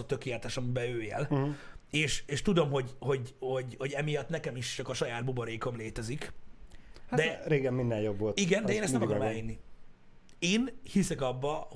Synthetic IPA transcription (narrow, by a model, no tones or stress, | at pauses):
ɒt̪ø̞keːlɛt̪aːʃɒmibɛøːjɛ̰l | eːʃeːʃt̪ud̪o̞mɦo̞ɟho̞ɟho̞ɟhoɟɛmijɒt̪nɛkɛmiʃt͡ʃɒkɒʃɒjaːd̪̚buboɾeːko̞mleːt̪ɛzik | hd̪ɛɾeːɡɛmːind̪ɛnjobvolt̪iɡɛnd̪ɛeːnɛst̪ɛmkɡɾomɛlinːi | eːnhisɛkɒbːɒh